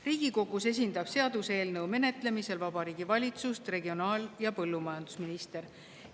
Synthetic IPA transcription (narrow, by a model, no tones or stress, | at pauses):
riːɡ̥iko̞ɡ̥use̞s̬ʲind̪ɑb̥se̞ɑd̪̥usee̞ːlnɤwme̞ne̞t̪ˑle̞mise̞lvɑbɑɾiːɡ̥ivɑlʲit̪sust̪re̞ɡio̞nɑːljɑpɤlːumɑjɑnd̪̥usminist̪e̞ɾ